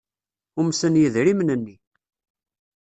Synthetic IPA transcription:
ʊmsənjəðɾimnənːi

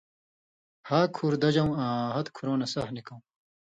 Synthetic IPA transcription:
haːkʰuːɾd̪ɐd͡ʑɐw̃ãːɦɐt̪kʰuɾoːnɐsɐɦnikɐw̃

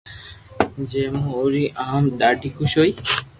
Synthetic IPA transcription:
d͡ʑemoɾiʔamɖ̪aʈikʰuʃoj

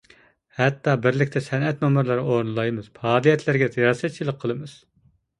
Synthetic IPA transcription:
hɛt̪ːɑbɪɾlɪkʲt̪ʰɛsɛnɛt̪momuɾlˠɑɾoɾnɨlˠɑjmɨz̥pʰɑːlˠijɛt̪ʰlɪɾɡʲɛzʰijɑːsɛt̪̚t͡ʃʰilˠəqʰːəlˠɨmɨz̥

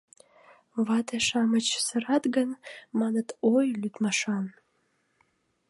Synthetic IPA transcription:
βɑt̪eʃɑmət͡ɕsəɾɑt̪ɡənmɑnət̪ojlyt̪mɑʃɑn

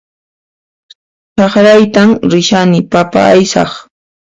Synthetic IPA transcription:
t͡ʃɑχɾajt̪amɾɪʃanɪpapa̰ːjsɑ̰χ

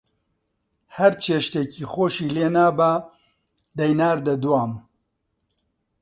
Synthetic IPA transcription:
hɐɾt͡ʃʰeːʃt̪ekiːxoːʃiːleːnaːbaː | d̪ɐjnaːɾd̪ɐd̪uwaːm

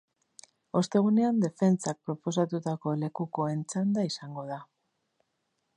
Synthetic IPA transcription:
o̞st̪e̞ɣ̞une̞and̪e̞fe̞nt͡sak̚pɾo̞po̞s̬at̪ut̪ako̞le̞kuko̞e̞nt͡sand̪aisaŋɡo̞ð̞a

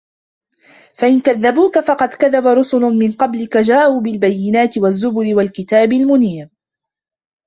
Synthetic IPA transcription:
faʔɪnkaðːabuːkafɑqɑd̪kaðabaɾˤʊsʊnʊmɪnqɑblɪkad͡ʒaːʔuːbɪlbajːɪnaːt̪ɪwazːʊbʊlɪwalkɪt̪aːbɪlmʊniːɾ

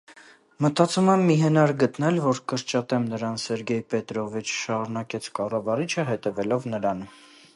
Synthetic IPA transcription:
mət̪ɑt͡sumɛmːiɦɛnɑɾɡət̪nɛlvɔɾkəɾt͡ʃɑt̪ɛmnəɾɑnsɛɾɡɛjpɛt̪ɾɔvit͡ʃʰʃɑɾunɑkɛt͡sʰkɑrɑvɑɾit͡ʃʰəɦɛt̪ɛvɛlɔvnəɾɑn

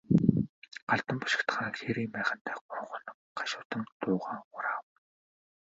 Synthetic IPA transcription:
ɢ̥aɮt̪ə̆mpʊ̥ʃɪ̥̆kt̪ʰə̥̆χaŋxeɾiːmpæːχə̆nt̪ʰæːʊɾʊ̆ɴŋχʊnə̆mɢ̥aʃʊːt̪ə̆ŋt̪ʊːʁaːŋʊɾaːw

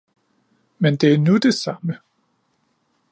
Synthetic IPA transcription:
mend̥e̝æɐnud̥e̝sɑ̈mə

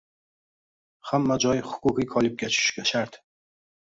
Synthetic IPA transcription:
hamːad͡ʒɒjχʊ̥kʰuqikʰɒlib̚ɡʲat͡ʃʰu̥ʃɡʲaʃaɾt̪

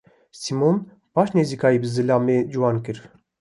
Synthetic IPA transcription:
simon | pɑʃnezikʰɑjiːbɨzɨlɑːmed͡ʒuwɑnkɨɾ

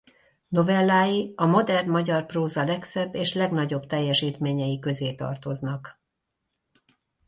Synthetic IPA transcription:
no̞vɛlːaːjiɒmo̞d̪ɛrnmɒɟɒrproːzɒlɛksɛbːeːʃlɛɡn̪ɒɟo̞bt̪ɛjːɛʃiːt̪meːɲɛjikø̞zeːt̪ɒ̰rt̪o̞znɒk

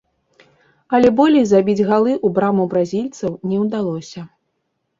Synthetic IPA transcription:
ɐlʲɛbɔlʲɛjzabʲid͡zʲɣalˠɨʔubɾamubɾazʲilʲt̪sɐwnʲɛwd̪alˠɔsʲɐ

